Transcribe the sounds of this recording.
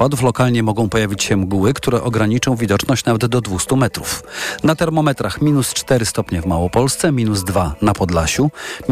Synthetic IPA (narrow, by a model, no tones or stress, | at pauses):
pad̪uflɔkalɲɛmɔɡɔ̃w̃pɔjavʲit͡ɕɕɛmɡuwɘkt̪uɾɛʔɔɡɾaɲit͡ʂɔ̃w̃vʲid̪ɔt͡ʂnɔɕt͡ɕnavɛd̪d̪ɔd̪vust̪umɛt̪ɾufnat̪ɛɾmɔmɛt̪ɾaxmʲinust͡ʂt̪ɛɾɘst̪ɔpɲɛvmawɔpɔlst̪sɛmʲinuzd̪vanapɔd̪laɕu